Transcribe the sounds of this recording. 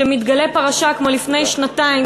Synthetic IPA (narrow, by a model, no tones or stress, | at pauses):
emit̪ɡale̞paʁaʃakmo̞lifne̞jʃnataim